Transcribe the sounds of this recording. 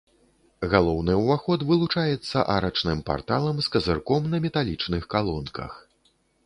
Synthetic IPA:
ɣalˠɔwnɨwvaxɔt̪vɨlˠut͡ʂajɛt̪sːɐ̰ʔaɾɐt͡ʂnɨmpa̰rt̪a̰lˠɐmskɐzɨrkɔmnɐmʲɛt̪alʲit͡ʂnɨxkalˠɔnkɐ̰x

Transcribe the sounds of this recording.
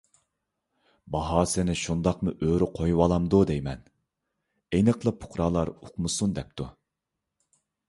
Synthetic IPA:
bɑɦɑsɪnɪʃund̪ɑqmɨʔøɾɪqʰojwɑlˠɑmd̪ud̪ejmɛn | ejnɨqlˠɨpʰʊ̥χɾɑːlˠɑɾuqmɨsund̪ɛp̚t̪ʰu

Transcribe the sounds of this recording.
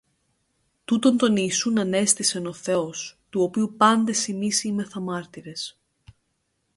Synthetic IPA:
t̪ut̪o̞nt̪o̞niːsunɐne̞st̪ise̞no̞θe̞ost̪uo̞piupɐnd̪e̞simisime̞θɐmɐɾt̪iɾe̞s

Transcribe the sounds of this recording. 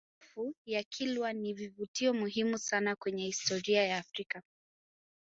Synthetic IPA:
fujakʰilwanivivutiɔmuɦimusanakwɛɲɛhistɔɾiajaːfɾika

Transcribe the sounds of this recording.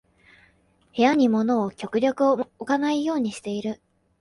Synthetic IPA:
he̞jaɲ̟imo̞no̞ːkʲo̞kɯ̟ɾʲo̞kɯ̟ookanaijo̞ːɲ̟iɕi̥t̪e̞iɾɯ̟

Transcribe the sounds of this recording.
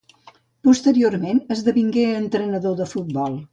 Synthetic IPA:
pust̪əɾioɾmenəzðəβiŋɡeənt̪ɾənəðoðəfut̪̚bɔlˠ

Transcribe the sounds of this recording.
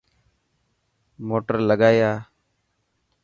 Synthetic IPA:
moːʈəɾləɡaːjaː

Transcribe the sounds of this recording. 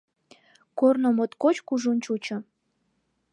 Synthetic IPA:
kornomot̪kot͡ɕkuʒunʲt͡ɕut͡ɕɤ̆

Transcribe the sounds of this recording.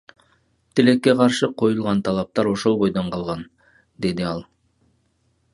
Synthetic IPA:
t̪ʰɪle̞kʲːeqʰɑɾʃəqʰo̞jəlˠʁɑnt̪ʰɑlˠɑp̚t̪ɑɾwo̞ʃolˠbo̞jd̪ɑɴqʰɑlˠʁɑn | d̪e̞d̪ɪɑlˠ

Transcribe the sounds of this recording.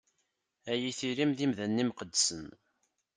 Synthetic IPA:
æjiθiɾimðimðənːimqəd̪ːsən

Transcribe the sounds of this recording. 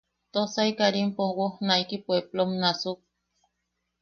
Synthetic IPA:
t̪osaikaɾimpowohnaikipweblomnasuk̚

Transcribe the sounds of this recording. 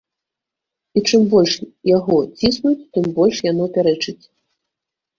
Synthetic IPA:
it͡ʂɨmbɔlʲʂjaɣɔt͡sʲisnut͡sʲt̪ɨmbɔlʲʂjanɔpʲaɾɛt͡ʂɨt͡sʲ

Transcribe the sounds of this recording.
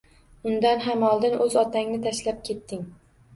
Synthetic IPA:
ʊnd̪anɦamɒlˠd̪ɪnɵzɒt̪ʰaŋnɪt̪ʰaʃlap̚kʲʰe̞t̪ːɪŋ

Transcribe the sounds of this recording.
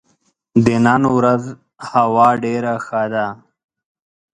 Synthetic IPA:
d̪enanwɾaz | hawɑːɖeɾaxad̪a

